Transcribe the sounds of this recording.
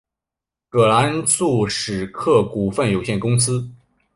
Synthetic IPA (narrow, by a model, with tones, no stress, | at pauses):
kɤ˨˩la˧˥nsu˥˩ʂɻ̩˨˩kʰɤ˥˩ku˨˩fə˥˩njo˨˩ʊɕjɛ˥˩nkʊ˥ŋsɹ̩˥